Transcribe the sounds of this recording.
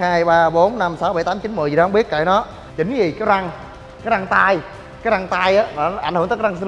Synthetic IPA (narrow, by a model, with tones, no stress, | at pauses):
haː˧jɓaː˧ɓo˨˦nːa˧msa˨˦wɓa˨˧˩jt̪aː˨˦mt͡ɕi˨˦nmɨ˨˩jŋ͡mɓi˦˥ət̚ka̰˧˩jnɔ˨˦ | t͡ɕï˨˦ŋzi˨˩kaː˨˦jza˧ŋ | kaː˨˦jza˧ŋt̪aː˧j | kaː˨˦jza˧ŋt̪aː˧jʔaː˨˦nɔ˨˧ʔjŋ̟hŋː˨˦kːa˧s